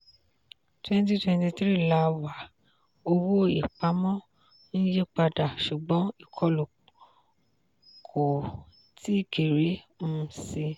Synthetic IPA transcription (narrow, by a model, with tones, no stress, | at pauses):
twɛ̃˦n˦ti˦twɛ̃˧nti˧tɾi˦˨la˧˦wa˨˦ | o˧wo˦i˨k͡pa˨˦mɔ̃˦ | ñ̩˦je˦k͡pa˧da˨ʃu˨ɡ͡bɔ̃˨˦i˦˨kʰɔ˧lo˨ | kʰo˨ | ti˦˨ke˨ɾe˨˦ | m̩˦si˧